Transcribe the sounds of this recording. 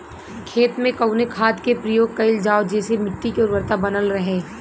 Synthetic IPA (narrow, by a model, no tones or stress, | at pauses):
kʰeːt̪mẽkɐʊnekʰaːd̪kepɾɐjoːɡ̚kɐɪld͡ʒaːod͡ʒɛːsemɪʈːikeoɾʋəɾt̪abɐnəlɾɐɦeː